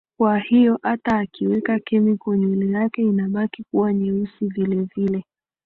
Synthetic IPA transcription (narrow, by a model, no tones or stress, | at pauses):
kwahijɔʔataːkiwɛkakɛmikwɛɲwɛlijakɛinaɓakikuwaɲɛusivilɛvilɛ